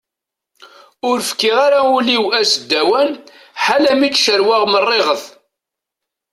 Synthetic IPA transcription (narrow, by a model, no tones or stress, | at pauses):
ʊɾfkːɪʁaɾauliwæsəd̪ːæwæn | ħalæmit͡sːʃəɾwaʁmərˤːeʁəθ